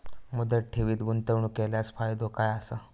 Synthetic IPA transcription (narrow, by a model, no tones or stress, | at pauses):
məd̪əʈʰeʋiːt̪ɡunt̪əʋɳukeljasfajd̪okajasə